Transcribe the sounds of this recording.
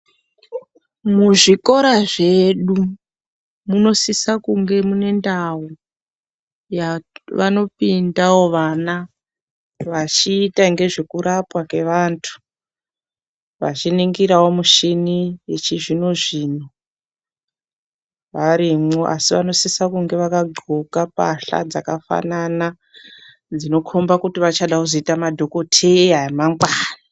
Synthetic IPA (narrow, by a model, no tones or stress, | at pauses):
muʐiko̞ɾaʐe̞ɗu | muno̞sisakuŋɡe̞mune̞ndawu | jaʋano̞pindawo̞ʋana | ʋat͡ʃiːtaŋɡe̞ʐe̞kuɾapwake̞ʋantʰu̥ | ʋa̰t͡ʃiniŋɡiɾawo̞muʃinijet͡ʃiʐino̞ʐiːno̞ | ʋaɾimoʔa̰siʋano̞sisakuŋɡe̞ʋakaɡʱokapa̰ɬa̰d͡zakafa̰nana | d͡zino̞kʰombakutiʋat͡ʃaɗakuzoitamadʱo̞ko̞tʰeaemaŋɡwaːna